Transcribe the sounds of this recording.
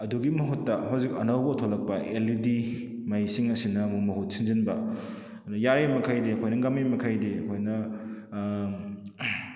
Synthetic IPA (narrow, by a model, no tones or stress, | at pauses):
ɐduɡimɐɦutːɐɦawzikɐ̰nawbɐtʰolɐk̚pɐʔelidi | majsiŋɐsinɐmuk̚mɐɦut̚sinzinbɐ | nujaɾimɐkʰajdeɐkʰojnɐɡɐmimɐkʰajdeɐkʰojnɐ